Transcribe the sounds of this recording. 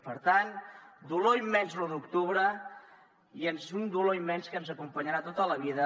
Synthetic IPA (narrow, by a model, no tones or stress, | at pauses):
pəɾt̪and̪uloimːɛnzluðukt̪uβɾə | ienzund̪uloimːɛnskənzəkumpəɲəɾat̪ot̪ələβiðə